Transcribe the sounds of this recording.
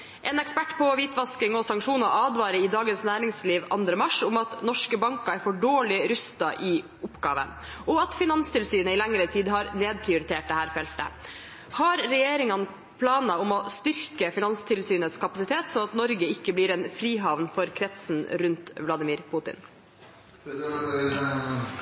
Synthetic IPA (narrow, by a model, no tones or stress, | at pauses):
ʔɛːnɛkspæʈːpʰɔʋiːt̪ʋɑskɪŋɔsɑŋkʂuːnɔʔɑːd̪ʋɑːɾəɪd̪ɑːɡənsnæːɾɪŋsliːʋɑ̰nd̪ɾəmɑʂʊmɑt̪nɔʂkəbɑŋkɑæɾfɔɖoːɭɪɾʉst̪ɑʔɪ | ʊpːɡɑːʋə̰n | ɔɑt̪fɪnɑnst̪ʰɪlsyːnəɪlɛŋɾət̪ʰiːd̪ɦɑɾneːd̪̚pʰɾɪʊɾɪt̪ʰeːʈ̚d̪ɛhæːɾfɛlt̪ə̰ | hɑɾɾɛjeːɾɪŋɑn | pʰlɑːnɑʊmɔst̪ʏɾkəfɪnɑnst̪ʰɪlsyːnət̪skʰɑpɑsɪt̪ʰeːt̪sɔnɑt̪nɔɾɡəɪkːəblɪːɾɛnfɾiːɦɑʋnfɔɾkʰɾɛt̪sn̩ɾʉnt̪ʋlɑd̪ɪmɪːɾpʰʊt̪ɪ̰n